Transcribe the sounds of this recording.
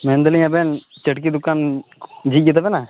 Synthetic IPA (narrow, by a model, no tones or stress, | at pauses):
meːnd̪əljãbeːnt͡ʃəʈkiːd̪ʊkːaːnd͡ʒiːɡit̪abenaː